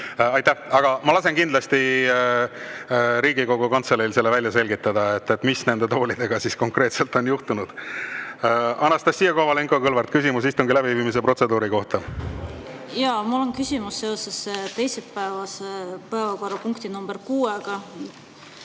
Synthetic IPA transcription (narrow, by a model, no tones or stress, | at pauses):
ɑjt̪ːæhɑɡ̥ɑmɑlɑse̞nkind̪lɑst̪i | ɾiːɡiko̞ɡ̥ukɑnt̪selilse̞lːevælʲjɑse̞lʲɡit̪ːˑɑd̪ɑe̞t̪ːet̪ːˑmisne̞nd̪̥e̞t̪o̞ːlid̪̥e̞ɡ̥ɑsisko̞ŋkre̞ːt̪se̞lt̪ˑo̞njuht̪unud̪̥ | ɑnɑst̪ɑsːijɑkovɑleŋkokɤlvɑɾt̪̚kysimus̬ist̪uŋɡ̥ilæbiviːmis̬e̞pro̞t̪se̞d̪uːɾiko̞ht̪ɑ | jɑmulːonkysʲimusːe̞o̞sest̪e̞jsepæevɑsepɤevɑko̞rːɑpuŋkt̪inumb̥erkuːeɡ̥ɑ